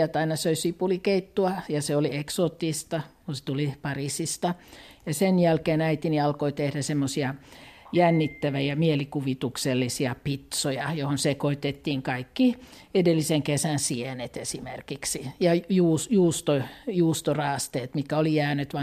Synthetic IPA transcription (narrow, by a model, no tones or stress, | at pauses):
ælt̪ɑinɑsøisipulikeit̪ːuɑjɑseolieksoːt̪ːist̪ɑkunse̥t̪ulipɑrisist̪ɑ | jɑsenjælkeːnæit̪iniɑlkoit̪ehdæsemːosiɑjænːit̪ːæʋæjɑmielikuʋit̪ukselːisiɑpit̪sojɑjohonsekoit̪et̪ːiːŋkɑikːi | edelːiseŋkesænsienet̪esimḛrkiksijɑjuːsjuːst̪ojuːst̪orɑːst̪eːt̪mit̪kæolijæːnyt̪ʋɑ